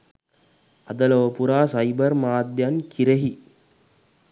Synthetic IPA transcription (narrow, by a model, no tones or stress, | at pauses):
ɐd̪əlɐʋəpuɾaːsajbərmaːd̪jankʰiɾeɦi